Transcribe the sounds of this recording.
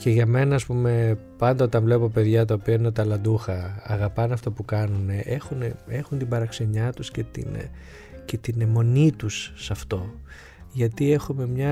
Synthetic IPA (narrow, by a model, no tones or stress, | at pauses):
ce̞ʝɐme̞nɐːspume̞pɐnd̪ɐo̞t̪ɐɱvle̞po̞pe̞ðʝɐt̪ɐopiɐinet̪ɐlɐnd̪uxɐɐɣɐpɐnɐft̪o̞pukɐnune̞ʔexunee̞xunt̪ibɐɾɐkse̞ɲɐt̪usce̞t̪ḭn | ce̞t̪inemo̞nit̪usːɐft̪o̞ | ʝɐt̪ie̞xume̞mɲɐ